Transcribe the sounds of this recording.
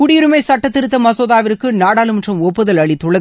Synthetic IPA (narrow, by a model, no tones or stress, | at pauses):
kʊɽiɾɯmɐɪsɐʈːɐt̪ːɪɾɯt̪ːɐmɐsoːðaːʋɪɾɯkːɯnaːɽaːlɯmndrɐmɔpːɐðɐlɐɭɪt̪ːɔɭɐɣ